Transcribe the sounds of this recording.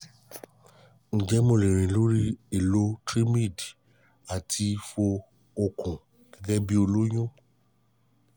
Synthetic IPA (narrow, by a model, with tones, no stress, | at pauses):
n̩˨d͡ʒɛ˦mo˨˧˨lẽ˨ɾ̃ĩ˨lo˦ɾi˦e˨lo˦tɾi˦mi˦˨d | a˨tʰi˧fo˧ | o˧kũ˨ | ɡ̥ɛ˦ɡɛ˦bi˦o˧lo˦j̃ũ˦